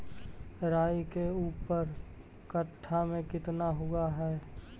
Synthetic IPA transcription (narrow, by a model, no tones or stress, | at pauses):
ɾaːjkeuːpəɾ | kəʈʰːamẽkɪt̪naɦʊaɦɛː